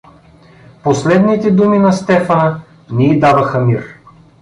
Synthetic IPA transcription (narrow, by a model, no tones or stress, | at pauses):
poslɛd̪nit̪ɛd̪uminɐst̪ɛfə | niːd̪avɐxəmir